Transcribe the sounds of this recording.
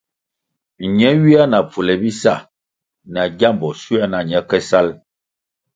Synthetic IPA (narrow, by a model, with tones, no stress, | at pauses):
ɲɛ˨˦ɥi˦a˦na˨pu˨lɛ˨bi˦sa˦˨ | na˨ɟa˦˨mbɔ˨su˦a˦na˨ɲɛ˦kɛ˦sa˦l